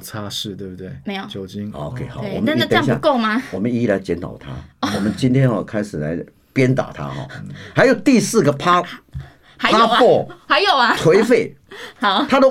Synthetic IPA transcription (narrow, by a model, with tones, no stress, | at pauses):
t͡sʰa˦ʂɻ̩˥˧t̪we˥˩bu˧˩t̪we˥˩me˧˥ɪjo˨˩t͡ɕjo˨˥ʊt͡ɕi˦˥ŋo̰˨˧kʰe˧˩ɪxwɔ̰˨mə˥˦˥t̪jau˥˧˦ko˥˩ʊma˧wɔ˨˩mə˦ni˧˥˧la˨˦ɪt͡ɕjɛ˨˦nt̪ʰɑ̰˨˩ʊt̪ʰa̰˦˥wɔ˨˩mə˦nt͡ɕi˥nt̪ʰjɛ˥nɔ˨˧kʰa˥ɪʂɻ̩˨˩la̰˨˦ɪ | pjɛ˦nt̪a̰˨˩t̪ʰa̰˦xɔ̰˥˩xa˧˥ɪjo˨˩ʊt̪i˥˧sɹ̩˥˩ɡə˩pʰa˥ | xa˧˦ɪa˥˨ɔ˥˩xa˧˥ɪjo˨˩ʊɐ˦t̪ʰwe˧˥ɪfe˥˩ɪ | ɑ˨˩˦t̪ʰa˥d̪ə˨